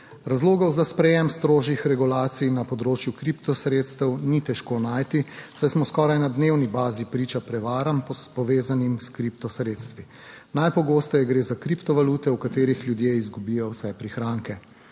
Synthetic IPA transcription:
ɾazloːɡɔwzaspɾɛjɛmst̪ɾoːʒixɾɛɡulaːt̪sijnapɔd̪ɾoːt͡ʃjukɾipt̪ɔsɾeːt̪st̪ɛwnit̪ɛʃkoːnaːjt̪i̥sajsmɔskɔɾajnad̪newnibaːzipɾiːt͡ʃapɾɛʋaːɾampɔpɔʋeːzanimskɾipt̪ɔsɾeːt̪st̪ʋi | najpɔɡoːst̪ɔjɛɡɾeːzakɾipt̪ɔʋaluːt̪ɛukat̪eːɾixljud̪jeːizɡubijɔwsɛjpɾixɾaːŋkɛ

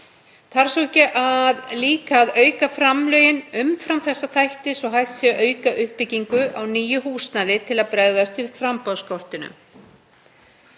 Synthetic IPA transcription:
θaɾ̥sowɛhcɪʔaðliːkaːðœːɥkafɾamlœːjɪnʏmfɾamθɛsːaθajht̪ɪsɔɦajht̪sjɛɣœːɥkaʔʏhpɪciŋkʏʔawniːjʏhuːst̪nalɪt̪ʰɪlaðpɾɛɣðast̪viðfɾampɔðskɔr̥t̪ɪnʏ̰m

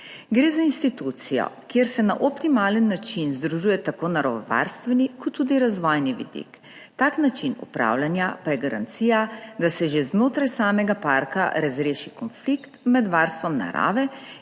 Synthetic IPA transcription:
ɡɾeːzainst̪it̪uːt̪sijɔ̰kjeɾsɛna̰ʔɔpt̪imaːlənːat͡ʃinzd̪ɾuʒuːjɛt̪akoːnaɾɔʋɔʋa̰ɾst̪ʋɛnikɔt̪ʰːuːd̪iɾazʋɔjniʋḭd̪ḭk | t̪aːknat͡ʃinṵpɾa̰ːwlanjapajɛɡaɾa̰nt̪siːjad̪asɛʒeznoːt̪ɾajsaːmɛɡapaɾka̰ɾazɾeːʃikɔnflikt̪mɛd̪ʋaɾst̪ʋɔmna̰ɾa̰ːʋɛ

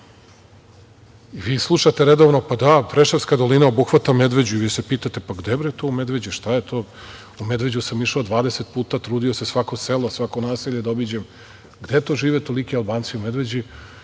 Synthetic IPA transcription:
iʋiːslˠuʃat̪eɾed̪oʋnopad̪apɾeʃeɾskad̪o̞linao̞buxʋat̪ame̞d̪ʋe̞d͡ʑuiʋiːse̞piːt̪at̪epaɡd̪ebɾojet̪oːume̞d̪ʋe̞d͡ʑiʃt̪ajet̪ʰoː | ume̞d̪ʋe̞d͡ʑusamiʃaod̪ʋaːd̪eset̪̚puːt̪at̪ɾuːd̪io̞sesʋako̞selo̞sʋakonaːsiːʎed̪obid͡ʑem | ɡd̪et̪o̞ːʒiːʋet̪o̞likialˠbaːnt̪siume̞d̪ʋe̞d͡ʑi

